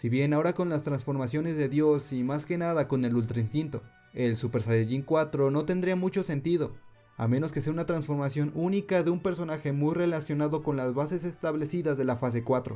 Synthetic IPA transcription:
siβje̞nao̞ɾako̞nlast̪ɾansfo̞ɾmasjo̞ne̞zðe̞ðjo̞simaske̞naðako̞ne̞lult̪ɾainst̪int̪o̞ | e̞lsupeɾsajeʝiŋkwat̪ɾo̞no̞t̪e̞nd̪ɾiamut͡ʃo̞se̞nt̪iðo̞ | a̰mẽ̞no̞ske̞seaunat̪ɾansfo̞ɾmasjonunikaðe̞umpe̞ɾso̞naxe̞mujre̞lasjo̞naðo̞ko̞nlazβase̞se̞st̪aβle̞siðazðe̞lafas̬e̞kwat̪ɾo

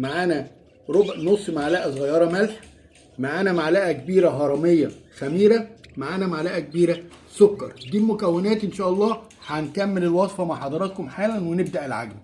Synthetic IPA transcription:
maʕaːnæ | ɾobʕnosˤːmaʕlæʔæzˤɣɑjːɑːɾˤɑmælħ | maʕaːnæmaʕlæʔækebiːɾæɦɑɾˤɑmejːæxæmiːɾæmaʕaːnæmaʕlæʔækebiːɾæsokːɑɾˤd̪iːlmʊkæwːenæːt̪ʔenʃæːʔɑlˤːɑːħænk̪æmːelelwɑsˤfɑmaʕħɑd̪ˤɑɾˤɑt̪̚komħaːlænweneb̚d̪æʔelʕa̰ɡl

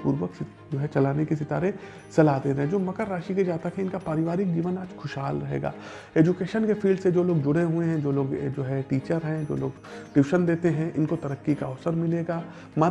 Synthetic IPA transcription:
puːɾʋəks | d͡ʒoːɦɛt͡ʃɐlaːnekisɪt̪a̰ːɾe | sɐlaːd̪eːɾɐɦɛ̃d͡ʒoːmɐkəɾːaːʃiked͡ʒaːt̪əkʰɛ̃ɪnkapaːɾɪʋaːɾɪk̚d͡ʒiːʋənaːd͡ʒkʰʊʃɦaːlɾɐɦḛːɡa̰ː | eːd͡ʒʊkeːʃənkefʰiːlɖsed͡ʒoːloːɡ̚d͡ʒʊɽeɦuẽɦɛ̃d͡ʒoːloːɡd͡ʒoːɦɛʈiːt͡ʃəɾɦɛ̃d͡ʒo̰ːlo̰ːɡ | ɖɪʋɪʃənd̪eːt̪eɦɛ̃ʔɪnkot̪ɐɾəkːikaɔːsəɾmɪleːɡaː | ma

